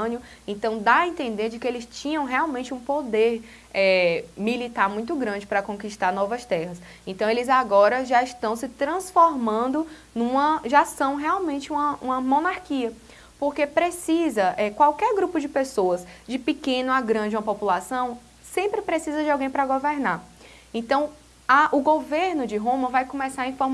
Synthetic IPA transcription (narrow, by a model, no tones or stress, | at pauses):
njʊ | ẽt̪ɐ̃w̃d̪aẽt̪ẽnd̪eɾd͡ʒɪkɪelɪst͡ʃĩɲɐ̃w̃ɦɛawmẽt͡ʃɪũpod̪eɾ | ɛmilit̪aɾmũj̃t̪ʊɡɾɐ̃d͡ʒɪpɾɐkõkiʃt̪aɾnɔvɐst̪ɛhɐs | ẽt̪ɐ̃w̃elɪzaɡɔɾɐʒaiʃt̪ɐ̃w̃sɪt̪ɾɐ̃sfoɾmɐ̃nd̪ʊ | nũmɐʒasɐ̃w̃ɦɛawmẽnt͡ʃɪũmɐũmɐmõnaɾkiɐ | poɾkepɾesizɐʔɛkwawkɛɾɡɾupʊd͡ʒɪpesoɐzd͡ʒɪpɪkẽnʊaɡɾɐ̃d͡ʒɪũmɐ̃populasɐ̃w̃ | sẽmpɾɪpɾesizɐd͡ʒɪawɡẽj̃pɾɐɡoveɾnaɾ | ẽt̪ɐ̃w̃ | aʔʊɡoveɾnʊd͡ʒɪɦõmɐvajkõmɛsaɾɐĩfoɾm